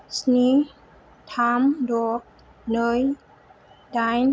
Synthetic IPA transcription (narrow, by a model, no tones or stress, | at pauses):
sni | t̪ʰaːmdoːk̚ | nəj | dajn